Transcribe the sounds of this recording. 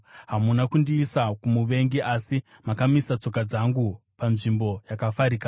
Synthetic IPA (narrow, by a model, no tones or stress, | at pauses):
ɦamunakundiːsakumuʋe̞ŋɡiʔasi | makamisat͡so̞kad͡zaŋɡu | panʐimbo̞jakafaɾiːka